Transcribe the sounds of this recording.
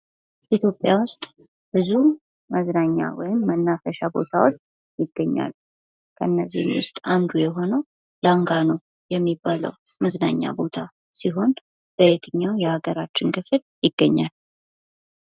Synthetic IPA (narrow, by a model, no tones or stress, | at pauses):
ʔit̪ʰjo̞pʼːjawʊst̪ʼ | b̥ɨzu | məznaɲːa̰wɔ̰jɪmːənːafəʃabo̞̰t̪ʰawotː | jɪɡːəɲːa̰l | kʰəʔɨnːəzːḭhmwʊst̪ʼand̪ujɛɦo̞nəw | laŋɡanəw | jɛmːibːalə̰wməznaɲːa̰bo̞t̪ʰa | siɦo̞n | b̥əet̪ʰɨɲːawjɛhaɡəɾat͡ʃːɪnkʰɨfɨl | jɪɡːəɲːal